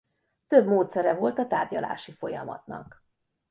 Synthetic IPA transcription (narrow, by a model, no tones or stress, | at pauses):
t̪øbmoːt̪sɛɾɛvo̞lt̪ɒt̪aːrɟɒla̰ːʃifo̞jɒmɒ̰t̪nɒ̰k